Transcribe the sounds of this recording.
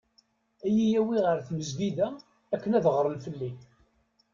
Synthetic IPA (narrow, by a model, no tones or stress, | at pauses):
æjijæwiʁəɾθməzviðæ | ækːənæðʁəɾˤəlfəlːi